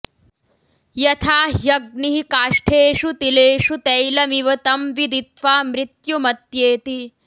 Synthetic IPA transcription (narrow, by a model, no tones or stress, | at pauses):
jɐt̪ʰaːɦjɐɡ̚niɦikaːʂʈʰeːʃut̪ileːʃut̪ejlɐmiʋɐt̪ɐmʋid̪it̪ʋaːmɾit̪jumɐt̪jeːt̪i